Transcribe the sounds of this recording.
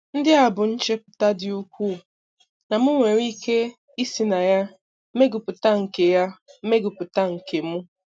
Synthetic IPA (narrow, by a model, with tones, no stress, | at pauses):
n̩˦dɪ˦a˨bʊ˨n̩˦t͡ʃe˦pʊ̥˨ta˦dɪ˨u˦kʷu˦˨ | na˨mʊ˦ŋʷe˨ɾiː˦ke˦ | i˦si˨na˨ja˦ | me˦ɡʊ˨pʊ˨ta˦ŋ̩˨ke˨ja˦me˦ɡʊ˨pʊ˨ta˦ŋ̩˨ke˨mʊ˦